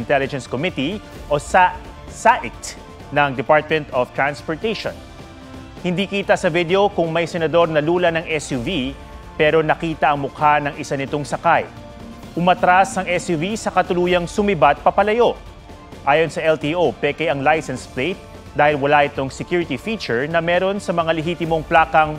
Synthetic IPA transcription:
ɪnt̪ɛlɪd͡ʒɛ̃nskomit̪i | ʔo̞sa | saʔɪt̪ | nɐŋd̪ɛpaɹt̪̚mɛ̃nt̪oft̪ɹanspoɹt̪ɛjʃo̰n | hɪnd̪ikiːt̪ɐsɐvid̪eo̞kʊŋmɐjsɛnɐd̪o̞ɾnɐluːlɐnɐŋʔɛsjuvi | pɛːɾo̞nɐkiːt̪ɐʔɐŋmʊkʰanɐŋɪsanɪt̪o̞ŋsɐkaj | ʔʊmɐt̪ɾasɐŋʔɛsjuvisɐkɐt̪ʊluːjɐŋsʊmɪbat̪̚pɐpɐlɐjo̞ | ʔaːjo̞nsɐʔɛlt̪iʔopɛkɐjɐŋlajsɛnsplejt̪̚ | d̪aːhɪlwɐlaʔɪt̪oŋsɛkjuɾɪt̪ifiːt͡ʃɛɹnɐmɛːɾo̞nsɐmɐŋalɛɦiːt̪ɪmo̞ŋplaːkɐŋ

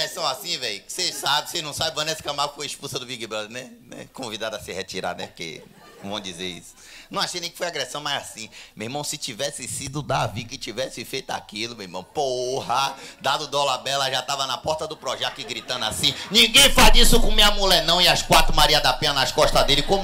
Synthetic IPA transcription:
ɡɾɛsɐ̃w̃asĩvɛjsesabɪsenɐ̃w̃sabɪvɐ̃nɛsɪ̥kɐ̃mawfojiʃpusɐd̪ʊbiɡibɾɔd̪nɛnɛ̰kõvid̪ad̪asɪhet͡ʃiɾa̰nɛkḛ̃ | vɐ̃w̃d͡ʒizeɾḭsʊ̥nɐ̃w̃aʃejnẽj̃kɪfojaɡɾɛsɐ̃w̃mazasĩmemɐ̃w̃sɪt͡ʃivɛsɪsid̪ʊd̪avikɪt͡ʃivɛsɪfejt̪ʊa̰kilʊmeimɐ̃w̃pohɐd̪ad̪ʊd̪ɔlabɛlɐʒat̪avɐnapɔɾt̪ɐd̪ʊpɾɔʒɛt̪ʊɪɡɾit̪ɐ̃nd̪ʊasĩnĩɡẽj̃fald͡ʒisʊkõmeɐmolenɐ̃w̃iaskwat̪ɾʊmaɾiɐd̪apẽnɐnaskɔʃt̪ɐd̪elɪkõm

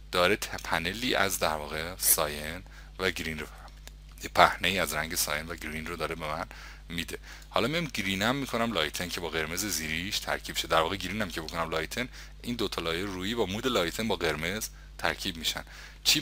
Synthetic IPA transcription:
d̪̥ɒːɾet̪ʰpʰæne̞liːʔæ̰zd̪æɾvɒːɣesɒːjen | væɡɾinrofæɾmod̪̥e | jepʰæhneiːæzɾæŋɟe̞sɒ̰ːjenvæɡɾinrod̪ɒːɾebe̞mæn | mid̪e̞ | hɒːlɒmiimɡɾiːnæmːikʰo̞næmlɒːjt̪ʰencʰe̞bɒːɣe̞ɾme̞zeziːɾiʃt̪ʰæ̰ɾcʰiːb̥ʃed̪æɾvɒːɣeɡɾiːnæmcʰebo̞kʰonæmlɒːjt̪ʰen | iːnd̪ot̪ʰɒlɒːjeɾuːjiːbɒːmuːd̪e̞lɒːjt̪ʰenbɒːɣe̞ɾme̞z̥ | t̪ʰæ̰ɾcʰiːb̚miʃæ̰n | t͡ʃʰiː

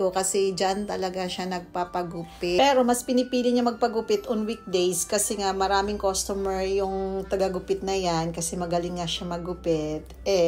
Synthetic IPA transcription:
t̪okɐsɛd͡ʒɐnt̪ɐlɐɡaʃanɐɡ̚papɐɡʊpɪpɛɾo̞mɐspɪnɪpiːlɪɲɐmɐɡ̚pɐɡʊpɪt̪ʔonwik̚d̪ejskɐsɛŋamɐɾaːmɪŋkost̪omɛɹjʊŋt̪ɐɡɐɡʊpɪt̪̚nɐjankɐsɛmɐɡɐlɪŋːɐʃamɐɡʊpɪt̪̚ʔɛ

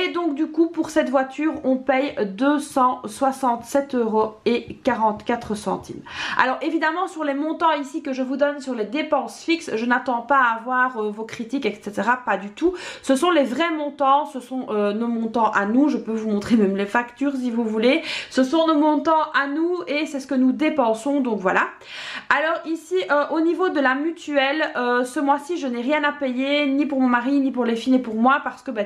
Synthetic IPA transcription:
ed̪ɔ̃k̚d̪ykupuʁsɛt̪vwat̪ʰyːʁɔ̃pɛjd̪øsɑ̃swasɑ̃t̪sɛt̪øʁoekaʁɑ̃t̪kat̪χəsɑ̰̃t̪ʰḭma̰lɔʁevid̪amɑ̃syʁlemɔ̃t̪ɑ̃isikəʒəvud̪ɔnsyʁled̪epɑ̃sfiksʒənat̪ɑ̃paːvwaʁøvokχit̪ikɛkset̪eʁapad̪yt̪usəsɔ̃lɛvʁɛmɔ̃t̪ɑ̃səsɔ̃ʔønomɔ̃t̪ɑ̃ʔanuʒəpøvumɔ̃t̪χemɛmlefakt̪yʁs̬ivuvulesəsɔ̃nomɔ̃t̪ɑ̃ʔanuesɛsə̥kənud̪epɑ̃sɔ̃d̪ɔ̃kvwala | alɔːʁisiʔøʔonivod̪əlamyt̪yɛløsəmwasiʒənɛʁjɛ̃napejenipuʁmɔ̃maʁinipuʁlefinepuʁmwapaʁsə̥kəbɛ

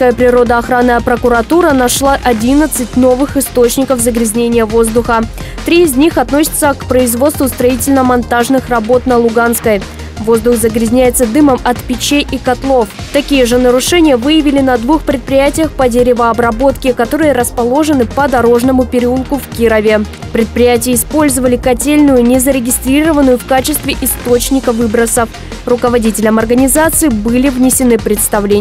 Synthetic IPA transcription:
kəjəpɾʲɪɾo̞d̪əɐxɾanːəjəpɾəkʊɾɐt̪uɾənɐʂlˠaʔɐdʲinət̪sɨtʲno̞vɨxɪst̪o̞t͡ɕnʲɪkəfzəɡɾʲɪzʲnʲenʲɪjəvo̞zd̪ʊxə | t̪ɾʲiɪzʲnʲixɐt̪no̞sʲɪ̥t̪səkpɾəɪzvo̞t̪st̪vʊst̪ɾɐitʲɪlʲnəmɐnt̪aʐnɨxrɐbo̞t̪nəlˠʊɡanskəj | vo̞zd̪ʊxzəɡɾʲɪzʲnʲæjɪt̪səd̪ɨməmɐt̪pʲɪt͡ɕejʔikɐt̪lˠo̞ft̪ɐkʲijəʐɨnəɾʊʂɛnʲɪjəvɨjɪvʲɪlʲɪnɐd̪vuxpɾʲɪt̪̚pɾʲɪjætʲɪjəxpədʲeɾʲɪvəɐbɾɐbo̞t̪kʲɪkɐt̪oɾɨjəɾəspɐlˠo̞ʐɨnɨpəd̪ɐɾo̞ʐnəmʊpʲɪɾʲɪulˠkʊfkʲiɾəvʲɪ | pɾʲɪt̪̚pɾʲɪjætʲɪjəɪspo̞lʲzəvəlʲɪkɐtʲelʲnʊjʊnʲɪzəɾʲɪɡʲɪst̪ɾʲiɾəvənʊjʊfkat͡ɕɪst̪vʲɪʔɪst̪o̞t͡ɕnʲɪkəvɨbɾəsəf | rʊkəvɐdʲitʲɪlʲəmɐrɡənʲɪzat̪sɨɪbɨlʲɪvnʲɪsʲɪnɨpɾʲɪt̪st̪ɐvlʲe

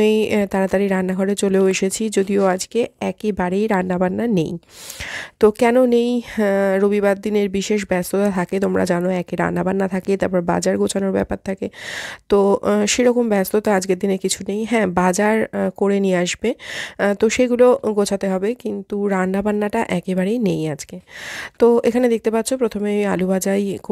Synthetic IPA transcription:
ejt̪aɾat̪aɾiɾanːaɡʱɔɾet͡ɕoleoeʃet͡ɕʰid͡ʑod̪ioad͡ʑkeɛkebaɾejɾanːabanːanḛj | t̪okɛnonejɾobibad̪ːineɾbiʃeʃ̬bɛst̪ot̪at̪ʰaket̪̬omɾa̰d͡ʑanoɛkeɾa̰nːabanːat̪ʰaket̪aɾpɔɾeba̰d͡ʑaɾɡot͡ɕʰanoɾbɛ̰paɾt̪ʰaket̪oʃeɾɔkombɛst̪ot̪aad͡ʑkeɾd̪inekit͡ɕʰunejɦɛ̃ːbad͡ʑaɾkoɾeniaʃbet̪oʃeɡuloɡot͡ɕʰat̪eɦɔbekint̪uɾanːabanːaʈaʔɛkebaɾejnejad͡ʑket̪oekʰaned̪ek̚t̪epat̪ːʰopɾot̪ʰomemia̰lubad͡ʑajk

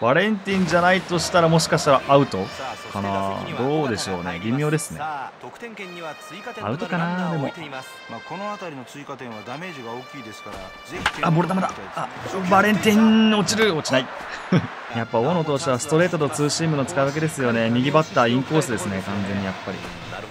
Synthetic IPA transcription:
b̥aɾẽ̞nt̪ʲĩɲd͡ʑanait̪o̞ɕi̥t̪aɾamo̞ɕ̬i̥kaɕi̥t̪aɾaʔaɯ̟t̪o̞kanad̪o̞ːd̪e̞ɕo̞ːne̞̰bʲimʲjo̞ːd̪e̞sɨne̥ | a̰ɯ̟t̪o̞kanad̪e̞mo̞̰ | makonoat̪aɾʲino̞t͡sɨikat̪ẽɰ̃βad̪ame̞ːʑiɡaoːkʲiːd̪esɨ̥kaɾa | abo̞ɾɯt̪amad̪aabaɾẽ̞nt̪ĩɲo̞t͡ɕiɾɯ̟o̞t͡ɕinai | japːaoːnot̪o̞ːɕi̥t̪eβasɨ̥t̪o̞ɾe̞ːt̪ot̪o̞t͡sɨːɕiːmɯ̟not͡sɨ̥kaɯβake̞d̪e̞sɨjo̞ne̞mʲiɡʲibat̪ːaĩŋko̞ːsɨd̪e̞sɨne̞kãnd͡zẽ̞ɲ̟ːijapːaɾʲḭ

